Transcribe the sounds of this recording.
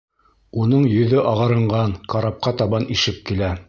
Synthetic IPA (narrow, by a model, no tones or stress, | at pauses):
unɤɴjɵ̆ðɵʔɑʁɤ̆ɾɤ̆ɴɢɑŋqɑɾɑp̚qɑt̪ɑβɑniʃɘp̚kilæ